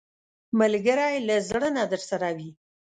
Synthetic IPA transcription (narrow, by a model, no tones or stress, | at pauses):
malɡəɾajlazɽənad̪əɾsaɾawi